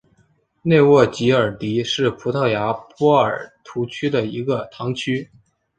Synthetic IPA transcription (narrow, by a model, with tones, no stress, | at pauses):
ne˥˧ɪwɔ˥˩t͡ɕi˧˥ə˞˨˩t̪i˧˥ʂɻ̩˥˩pʰu˧˥t̪ʰɤ˥˩ja˧˥pwɔ˥ə˞˨˩t̪ʰu˧˥t͡ɕʰy˥d̪ə˨i˧˥ɡə˧t̪ʰɑ˧˥ŋt͡ɕʰy˥